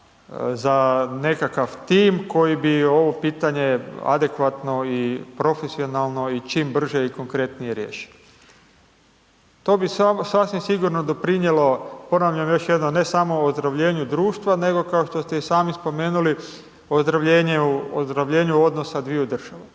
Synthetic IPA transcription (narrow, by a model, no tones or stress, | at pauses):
zane̞kakaʋt̪iːmko̞jibio̞ʋo̞piːt̪aɲe̞a̰d̪e̞kʋat̪no̞ipɾo̞fesio̞nalˠno̞it͡ʃiːmbr̩ʒeiko̞ŋkɾe̞t̪nije̞ɾjḛːʃi̥o | t̪o̞ːbisasasʋimsiɡuɾno̞d̪o̞pɾinjelo̞po̞naʋʎamjo̞ʃjed̪none̞samo̞ozd̪ɾaʋʎe̞ːɲud̪ɾuːʃt̪ʋane̞ɡo̞kao̞ʃt̪o̞st̪e̞isaːmispo̞me̞ːnuli | ozd̪ɾaʋʎeːɲeuozd̪ɾaʋʎe̞ːɲuo̞d̪nosad̪ʋiud̪r̩ʒ̥aʋa